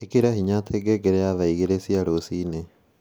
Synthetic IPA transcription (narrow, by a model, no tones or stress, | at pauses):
ekeɾaɦiɲatʰeɡɛɡɛɾɛjaβɛiɣeɾesiaɾosiːne